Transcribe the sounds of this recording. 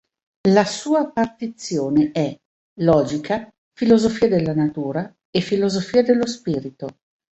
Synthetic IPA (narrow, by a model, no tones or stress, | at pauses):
lasuːapːart̪it̪sːjoːneʔɛ | lɔːd͡ʒikʰa | filozofiːad̪elːanat̪uːɾa | efilozofiːad̪elːospiːɾit̪o